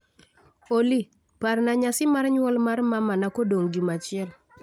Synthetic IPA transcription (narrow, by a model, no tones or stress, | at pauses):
oli | parnaɲasɪmarɲwɔlmarmamanakodoŋɡimat͡ʃɪɛl